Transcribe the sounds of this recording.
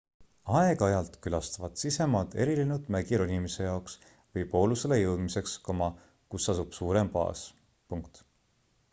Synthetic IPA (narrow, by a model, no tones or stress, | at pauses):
ɑeɡ̥ɑjɑlt̪ˑkylɑst̪ɑvɑt̪sise̞mɑd̪e̞ɾilinud̪̥mæɡ̥iɾonʲimise̞jɑoks | vɤjpo̞ːluselejɤwd̪̥misekskomɑ | kusːɑsub̥suːɾe̞mpɑ̰ːs | puŋkt̪